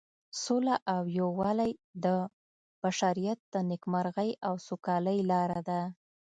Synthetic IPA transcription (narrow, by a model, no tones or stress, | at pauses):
solaʔawjowɑlajd̪ə | b̥aʃaɾijat̪̚d̪̥ənɪkmaɾɣəjawsukɑləjlɑɾad̪a